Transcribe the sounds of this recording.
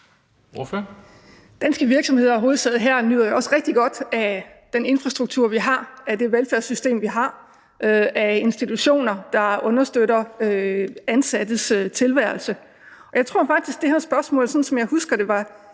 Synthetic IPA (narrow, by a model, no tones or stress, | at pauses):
of | d̥ænsɡ̥əʋiɐɡ̥sɒ̽mhe̝ð̰ˠɐɦo̝ːð̩ˠsʰɛð̩ˠɦæɐ̰nyð̰ˠɐjoɒ̽səʁɛɡ̥̚d̥iɡ̥ɒ̽d̥æ | d̥ene̝nfʁɑ̈sd̥ʁuɡ̥̚t͡sʰuɐ̰ʋiɦɑ̈æd̥e̝ʋelfæɐsysd̥e̝̰ːmʋiɦɑ̈ | ʔøæe̝nsd̥it͡sʰuɕo̝̰ːnɐd̥ɑ̈ɔ̽nɐsd̥øɾɐøænsæd̥əsøt͡sʰe̝lʋæɐlsə | ɒ̽jɑ̈ɪt͡sʰʁo̝ɐ̰fɑ̈ɡ̥̚d̥isɡ̥̚d̥e̝hæɐsb̥ɶɐsmɔ̰̽ːlsɒ̽n̩sɒ̽mjɑ̈ɪhusɡ̥ɐɾ̥e̝ʋɑ̈